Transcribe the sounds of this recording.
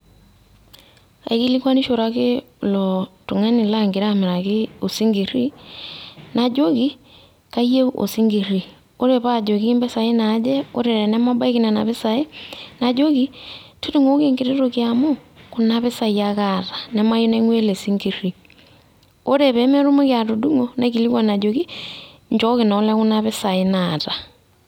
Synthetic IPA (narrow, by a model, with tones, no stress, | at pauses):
a̰˨i˦ki˦li˦kwa˦ni˦ʃo˨ɾa˨kɪ˦ | lɔ˨tu˨ŋa˦ni˨la˦ŋɡɪ˨ɾa˦˨me˨ɾa˨kɪ˦o˨si˦ŋɡi˨ri˦ | na˨d͡ʒo˦ki˦ | ka˦je˦o̰˨si˦ŋɡi˨ri˨ | o˦ɾe˨pa˦˨d͡ʒo˨ki˦i˦mbɛ˦sa˨i˦na˨˦d͡ʒɛ˦o̰˦ɾe˨ɾɛ˨nɛ˦ma˦ba˦i˦ki˦nɛ˨na̰˨βɪ˦sa˨e˦na˨d͡ʒo˦ki˦ti˦tu˦ŋo˦ke˦ŋɡi˨ɾe˦ɾo˨kja˨mo˦ku˨na˦βe˦sa˨i˨ja˦ka˦tḁ˨nɛ˦ma˦jo˦nɛ˦ŋwe˦le˨si˦ŋɡi˨ri˨ | o˦ɾe˨βɛ˨˦me˦ɾu˦mu˦kja˨to˨du˦ŋo˨ne˦ki˨li˦kwa˨na˨d͡ʒo˨ki˦ | ɲd͡ʒɔ˦ki˨na˨˦lɛ˦ku˦na˦βe˦sa˨i˦na˨ta˨